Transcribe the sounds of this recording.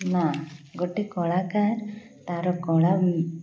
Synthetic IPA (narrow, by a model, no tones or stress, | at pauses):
naɡoʈːikɔɭakaɾ | t̪aɾokɔɭa